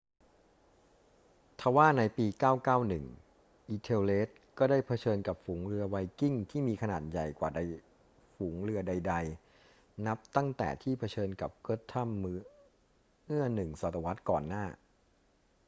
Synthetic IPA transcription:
t̪ʰa˧˩waː˥˩na˧jpiː˧kaː˥˩wkaː˥˩wnɯ˨˩ŋ | ʔiː˧t̪ʰeː˧wleː˦˥t̪̚kɔː˥˩daː˥˩jpʰa˧t͡ɕʰɤː˧nka˨˩p̚fuː˩˦ŋɾɯ˧ɐwa˧jki˥˩ŋt̪ʰiː˥˩miː˧kʰa˧naː˨˩t̪̚ja˨˩jkwaː˨˩da˧j | fuː˩˦ŋɾɯ˧ɐda˧jda˧j | na˦˥p̚t̪a˥˩ŋt̪ɛ̰ː˨˩t̪ʰiː˥˩pʰa˧t͡ɕʰɤː˧nka˨˩p̚kɯ˦˥t̪ʰːa˥˩mː | mɯ˥˩ɐnɯ˨˩ŋsaː˨˩t̪ːa˧wa˦˥t̪̚kɔ̰ː˨˩nːaː˥˩

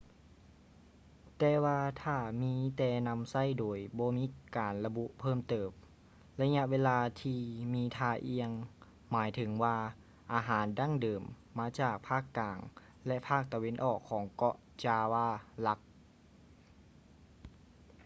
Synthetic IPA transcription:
t̪ɛː˧˩waː˧t̪ʰaː˧˩miː˧˥t̪ɛː˧˩na˧˥msa˥˨jdoː˨˩jbɔː˧˦miː˧˦˥kaː˨˩nla˧bu˧˥ʔpʰɤː˥˨mt̪ɤː˨˩p̚ | la˧ɲa˧ʔweː˧laː˧t̪ʰiː˧miː˧˥t̪ʰaː˧ʔi˧əŋ | maː˨˦jt̪ʰɯ˨˩˦ŋwaː˧ | ʔaː˨˩ɦaː˩˦nda˧˥˩ŋdɤː˨˩mː | aː˧˥t͡ɕaː˨˩k̚pʰaː˥˩kːaː˨˩ŋ | lɛ˧ʔpʰaː˥˩k̚t̪a˨˧we˧˥nʔɔː˧˩kʰːɔː˨˩˦ŋkɔ˧ʔ | t͡ɕaː˧waː˧˥˩la˧˥k̚

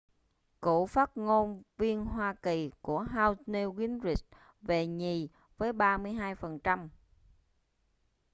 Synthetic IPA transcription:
kṵ˧˨faː˦˥t̚ŋo˧nvi˧ənɦwaː˧ki˨˩ku˧˩əɦaː˧wsni˧ɣi˨˦nzi˨˩t̚ | ve˨˩ɲi˨˩ | vəː˨˦jɓaː˧mɨ˧əjɦaː˧jfə˨˩nt͡ɕa˧m

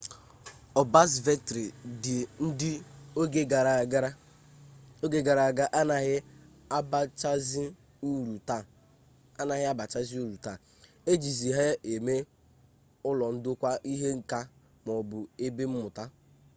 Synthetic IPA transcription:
ɔ˨ba˦s̬ve˦tɾi˨dɪ˨n̩˦dɪ˦o˦ɡe˦ɡa˨ɾa˨ɡɾa˦ | o˦ɡe˦ɡa˨ɾa˨ɡa˦ʔa˦na˨ɦɪ˦ | bt͡ʃa˦z | ɾu˨ta˦˨ | a˦na˨ɦɪ˦a˦ba˨t͡ʃa˦zi˦u˦ɾu˨ta˦˨ | e˦d͡ʒi˨zi˨ɦe˦e˨me˦ | ʊ˦lɔ˨n̩˦dʊ˦kʷa˦ʔi˦ɦe˦ŋ̩˨ka˦ | m˨ɔ˨bʊ˨e˦be˦m̩˦mʊ˨ta˦

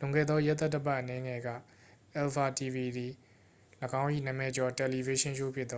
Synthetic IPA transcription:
lʊ̃˨ŋɡɛ̰˦˨ðɔ˦jɛ˦t̪ɛ˦˨tːə˦pa˦˨ʔənɛ˨˦ŋɛ˨ɡä̰˦˨ | ʔɛ˨lpa˨ti˨bi˨d̪i˨ | ləɡã˦ʊ̃ʔḭ˦˨nə˨mɛ˨t͡ɕɔ˨tɛ˨li˨ve˨˦ʃɪ̃˦ʃo˦˨pʰjɪ˦ð

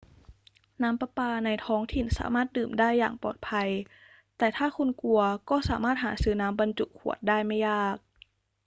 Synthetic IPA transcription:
naː˦˥mpa˧paː˧na˧jt̪ʰɔː˦˥ŋt̪ʰi˨˩nsa̰ː˩˦maː˥˩t̪̚dɯː˨˩mdaː˥˩jːaː˨˩ŋpɔ̰ː˨˩t̪̚pʰa˧j | t̪ɛː˨˩t̪ʰaː˥˩kʰu˧nku˧ɐkɔː˥˩sa̰ː˩˦maː˥˩t̪̚ɦaː˩˦sɯː˨˩naː˦˥mba˧nt͡ɕu˨˩kʰːu˨˩ət̪̚daː˥˩jma˥˩jaː˥˩k̚

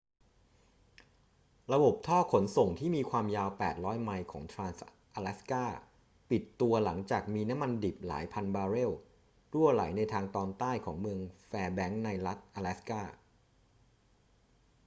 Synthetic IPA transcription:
ɾa˧bo˨˩p̚t̪ʰɔː˥˩kʰo˩˦nso˨˩ŋt̪ʰiː˥˩miː˧kʰwaː˧mjaː˧wpɛː˨˩t̪̚ɾɔː˦˥jma˧jkʰɔ̰ː˩˦ŋt̪ʰɾaː˧ns | ʔaː˧lɛ˦˥skaː˥˩ | pi˨˩t̪ːu˧ɐla˩˦ŋt͡ɕaː˨˩k̚miː˧na˦˥mːa˧ndi˨˩p̚la̰ː˩˦jpʰa˧nbaː˧ɾe˥˩w | ɾu˥˩ɐla̰˩˦jna˧jt̪ʰaː˧ŋt̪ɔː˧nt̪aː˥˩jkʰɔ̰ː˩˦ŋmɯ˧əŋfɛː˧bɛ˦˥ŋna˧jɾa˦˥t̪̚ʔaː˧lɛ˦˥skaː˥˩

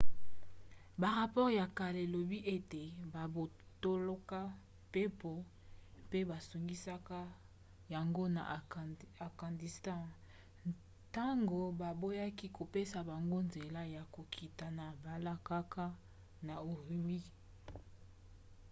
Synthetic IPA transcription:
ba˨ʁa˨pɔ˦ʁja˨ka˨le˨lo˨bi˦ʔe˦te˨ba˨bo˨to˦lo˦ka˦ | pe˦po˨ | pe˦ba˨su˨ŋɡi˦sa˦ka˦ | ja˨ŋɡo˦na̰˨ | a˨ɡã˨ndi˨stɑ̃˦ | ta˦ŋɡo˨ba˨bo˦ja˦ki˦ko˨pe˦sa˨ba˨ŋɡo˦nze˨la˦ja˨ko˨kʰi˨ta˨na˨ba˨la˦ka˦ka˦ | na˨o˨ʁi˨mi˦

